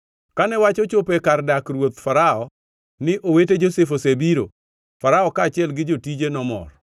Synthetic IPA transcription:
kanɛwat͡ʃɔt͡ʃopekardakrwot̪faɾaɔ | nɪʔoweted͡ʒosefosebiɾo | faɾaɔkaːt͡ʃɪɛlɡɪd͡ʒotid͡ʒenɔmɔ̰r

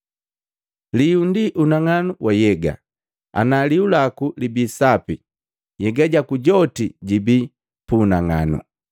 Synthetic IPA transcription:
liundiʔunaŋanuwʔajɛɡa̰ | a̰naliulakulibiːsapi | jɛɡaɟakuɟɔtiɟibi | punaŋa̰nṵ

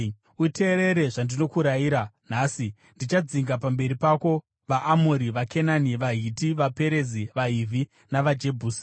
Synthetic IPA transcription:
ute̞ːɾe̞ɾe̞ʐandino̞kuɾaiːɾan̤aːsi | ndit͡ʃad͡ziŋɡapambe̞ɾipako̞ | ʋaʔːmoɾiʋake̞naniʋaɦitiʋape̞ɾe̞ziʋaɦiːvʱi | naʋad͡ʒe̞bʱuːsi̥

